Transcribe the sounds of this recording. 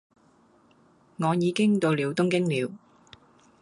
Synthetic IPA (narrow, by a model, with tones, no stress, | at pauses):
ŋɔː˨˧jiː˨˧kɪ˥ŋt̪o˧wliː˨˧wt̪ʊ˥ŋkɪ˥ŋliː˨˧w